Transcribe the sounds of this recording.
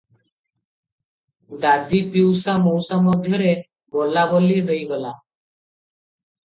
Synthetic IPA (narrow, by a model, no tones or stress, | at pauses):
d̪ab̪ipiwsamowsamɔd̪ʱjɔɾe | bɔlabɔlied̪ejɡɔla